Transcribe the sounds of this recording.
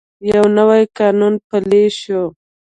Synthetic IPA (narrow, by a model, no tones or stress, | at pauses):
jawnəwajkɑnunpaleʃo